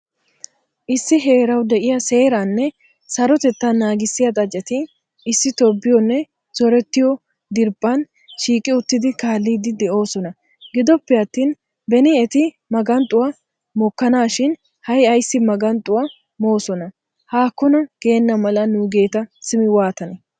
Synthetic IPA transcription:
ʔɪsːɪɦe̞ːɾɐwd̪ɛʔɪjɐse̞ːɾanːɛ | sɐɾɔt̪ɛt̪ːɐnaːɡɪsːɪjɐt̪ʼɐd͡ʒʼːɛt̪ɪ | ɪsːɪt̪ɔbːɪjɔnːɛ | z̥ɔɾɛt̪ːɪjɔ | d̪ɪɾpʼːɐn | ʃiːkʼɪʊt̪ːɪd̪ɪkaːlːiːd̪ɪd̪ɛʔo̞ːsɔnɐ | ɡɪd̪ɔpːɛɐt̪ːiːn | bɛnɪɛt̪ɪ | mɐɡɐnt̪ʼːʊwa | mɔkːɐnaːʃɪn | hɐjɐjsːɪmɐɡɐnt̪ʼʊwa | mo̞ːsɔnɐ | haːkːɔnɐɡ̥e̞ːnːɐmɐlɐnuːɡe̞ːt̪ɐsɪmɪwaːt̪ɐnɛ

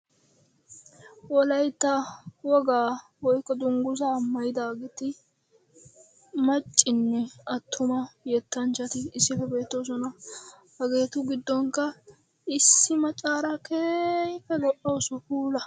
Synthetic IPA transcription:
wɔlɐjt̪ːɐwɔɡaːwɔjkːɔd̪ʊŋɡʊzaːmːɐjɪd̪aːɡɛt̪ɪ | mɐt͡ʃʼːɪnːɛɐt̪ʰːʊmɐjɛt̪ːɐnt͡ʃːɐt̪ɪɪsːɪfɛbe̞ːt̪ːos̬ɔnɐ | hɐɡe̞ːt̪ʊɡɪd̪ːɔŋkɐ | ɪsːɪmɐt͡ʃʼaːɾɐkeːjfɛlɔʔosʊkuːlɐ

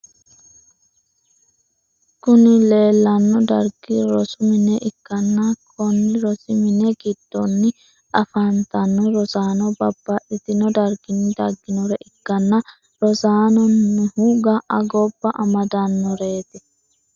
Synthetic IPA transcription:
kʊnɪle̞ːlːɐnːɔd̪ɐɾɡɪɾɔsʊmɪnɛʔɪkːɐnːɐkʰɔnːɪɾɔsɪmɪnɛɡɪd̪̥ːɔnːɪ | ʔɐfɐnt̪ɐnːɔɾɔsaːnɔbɐbːɐʔɪt̪ɪnɔd̪ɐɾɡɪnːɪd̪ɐɡːɪnɔɾɛʔɪkːɐnːɐ | ɾɔsaːnɔnːɪhuɡɐʔɐɡɔbːɐʔɐmɐd̪ɐnːɔɾe̞ːt̪ɪ

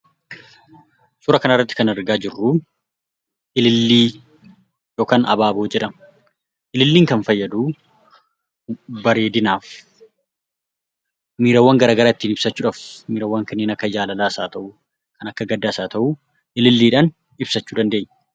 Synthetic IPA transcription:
sʊɾɐkɐnɐrːɐt̪ːɪ̥kɐnɐɾɡaːd͡ʒɪrːu | ʔɪlɪlːiː | jo̞ːkaːnɐ̰baːboːd͡ʒɛᶑɐm | ʔɪlɪlːiːŋkɐnfɐjːɐd̪uː | bɐɾeːd̪ɪnaːf | miːɾɐwːɐŋɡɐɾaːɡɐɾaːɪt̪ːiːnɪb̥sɐt͡ʃːuːᶑɐːfmiːɾɐwːaŋkɐnːeːnɐkːɐd͡ʒaːlɐlaːsaːt̪ɐʔu | kʰɐnɐkːɐɡɐd̪ːaːsaːt̪ɐʔu | ʔɪlɪlːiːᶑaːn | ɪbsɐt͡ʃːuːd̪ɐnd̪e̞ːɲː

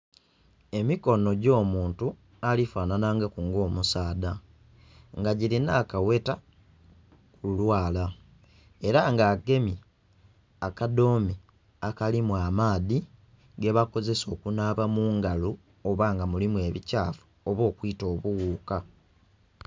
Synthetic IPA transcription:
e̞miko̞no̞ɟo̞ːmuːntu | alifaːnanaŋɡakuŋɡo̞ːmusaːda | ŋɡaɟilinaːkawe̞ta | kululwaːla | e̞ɾaŋɡaːɡe̞mi | akado̞ːmi | akalimwamaːði | ɡe̞βako̞ze̞so̞ːkunaβamuːŋɡalu | oβaːŋɡamulimwe̞ːβicaːfu̥ | oβo̞ːkwito̞ːβuɣuːka

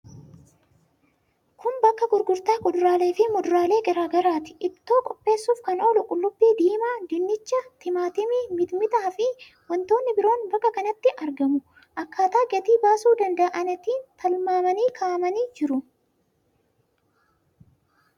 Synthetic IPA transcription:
kʰʊmbɐkːɐɡʊɾɡʊɾt̪aːkʊd̪ʊɾaːle̞ːfɪmɔd̪ʊɾaːle̞ːɡɛɾaːɡɐɾaːt̪ɪ̥ʔɪt̪ːo̞ːkʼɔpʼːe̞ːsːuːfkɐno̞ːlʊkʼʊlːʊbːiːd̪iːmaːd̪ɪnːɪt͡ʃːɐt̪ɪmaːt̪ɪmɪmɪd̪mɪt̪aːfɪ | wɔnt̪o̞ːnːɪbɪɾo̞ːnbɐkːɐkɐnɐt̪ːɪʔɐɾɡɐmʊ | ʔɐkːaːt̪aːɡɛt̪iːbaːsuːd̪ɐnd̪ɐʔʔɐnɐt̪iːnt̪ɐlmaːmɐniːkʰaːmɐniːd͡ʒɪɾʊ

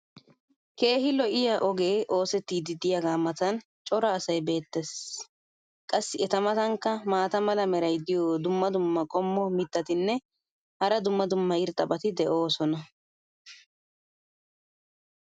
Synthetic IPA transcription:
ke̞ːɦɪlɔʔɪjaʔɔɡeːʔo̞ːsɛt̪ːiːd̪ɪd̪ɪjaɡaːmɐt̪ɐn | t͡ʃʼɔɾɐːsɐjbe̞ːt̪ːɛs | kʼɐsːɪɛt̪ɐmɐt̪ɐŋkːɐmaːt̪ɐmɐlɐmɛɾɐjd̪ɪjoːd̪ʊmːɐd̪ʊmːɐkʼɔmːɔmɪt̪ːɐt̪ɪnːɛ | hɐɾɐd̪ʊmːɐd̪ʊmːɐɪɾt̪ʼɐbɐt̪ɪd̪ɛʔo̞ːsɔnɐ

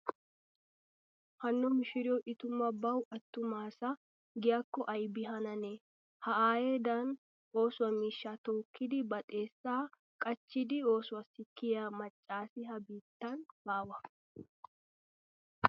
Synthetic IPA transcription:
hɐnːɔmɪʃɪɾɪjɔʔɪt̪ʊmːɐbɐwʔɐt̪ːʊmaːsɐ | ɡɪjɐkːɔʔɐjbɪɦɐnɐne | hɐʔaːjeːd̪ɐn | o̞ːsʊwɐmiːʃːaːt̪oːkʰːɪd̪ɪbɐt̪ʼe̞ːsːaː | kʼɐt͡ʃːɪd̪ɪoːsʊwɐsɪkːɪjamɐt͡ʃʼːaːsɪɦɐbiːt̪ːɐnbaːwɐ

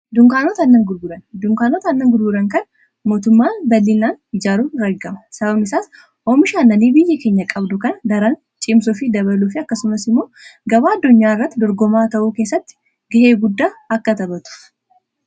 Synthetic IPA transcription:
d̪ʊŋkaːnoːt̪ɐnːɐŋɡʊɾɡʊɾɐnd̪ʊŋkaːnoːt̪ɐnːɐŋɡʊɾɡʊɾɐŋkɐn | mo̞ːt̪ʊmːaːbɐlːɪnːaːnɪd͡ʒaːɾuːɾɐɡːɐmɐ̥sɐbɐbnɪsaːs | oːmɪʃaːnːɐniːbɪjːɐke̞ːɲːɐkʼɐbd̪ʊkɐnɐɡ̪ɐɾan | t͡ʃʼɪmsʊfid̪ɐβɐluːfɪɐkːɐsʊmɐsɪmːo̞ːɡɐbaːɐd̪ːʊɲːaːɪrːɐt̪ːɪd̪ɔɾɡɔmaːt̪ɐʔuːkeːsːɐt̪ːɪ̥ | ɡɪheːɡʊd̪ːaːɐkːɐt̪ɐbɐt̪ʊ̥

